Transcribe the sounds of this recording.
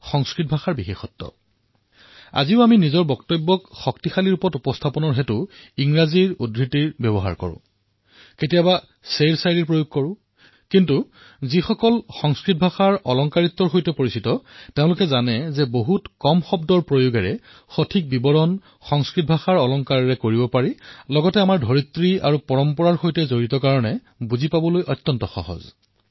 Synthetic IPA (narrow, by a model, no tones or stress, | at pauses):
xɔŋskɹit̚bʱaxaɹbixexɔtːɔ̰ | a̰ziʊaminizɔɹbɔktɔbːɔkxɔktixaliɹupɔtupɔstʰapɔnɔɹɦetʊiŋɹaziɹudɹitiɹbjɛbɔɦa̰ɹkɔ̰ɹʊ̰̃ | ketijaba | selsajɹiɹpɹojoɡ̚kɔɹʊ̃ | kintu | zixɔkɔlxɔŋskɹit̚bʱaxaɹɔlɔŋkaɹit̪ːɔɹxojtɛpoɹisitɔteʊ̃lʊkɛzanɛzɛboɦutkɔmxɔbdɔɹpɹojuɡɛɹɛ | xotʰik̚bibɔɹɔn | xɔŋskɹit̚bʱaxaɹɔlɔŋkaɹɹɛkoɹibɔpaɹilɔɡɔtɛamaɹdʱɔɹit̪ːɹia̰ɹupɔɹɔmpɔɹaɹxojtɛzoɹitɔkaɹɔnɛ | buzipabɔlojʔɔt̪ːɔntɔxɔ̰ɦɔ̰z